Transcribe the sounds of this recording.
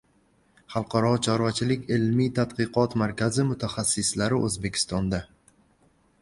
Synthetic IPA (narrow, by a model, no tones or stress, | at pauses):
χɑlˠqʰɑɾɒt͡ʃʰɒɾvat͡ʃʰɪlɪkʲɪlmit̪ʰad̪qɨqɒt̪maɾkʲʰazɪmʊt̪ʰaχasːɪslaɾɪʔɵzbe̞kʲʰɪ̥st̪ɒnd̪a